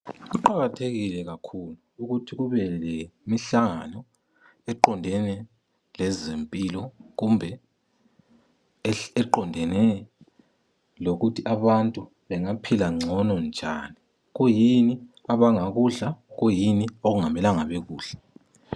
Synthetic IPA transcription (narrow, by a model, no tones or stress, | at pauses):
ɣuǃaɣatʰeɣilɛɣakʰuluuɣutʰiɣuβɛlemiɬaŋanɔ | ɛǃɔndʱɛnɛ | lɛzempʼilɔɣumbʱɛ | ɛǃɔndʱɛnɛ | loɣutʰiʔaβantʼu | βɛŋapʰilaŋ͡ǀʱɔnɔnd͡ʒʱaːni | ɣujiniaβaŋaɣuɮaɣujinioɣuŋamɛlaŋaβɛɣuːɮ̥ɛ